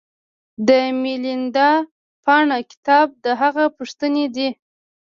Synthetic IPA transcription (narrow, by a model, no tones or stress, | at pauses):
d̪əmilind̪ɑ | pɑɳakɪ̥t̪ɑb̚d̪əɦaɣapuʂt̪əned̪i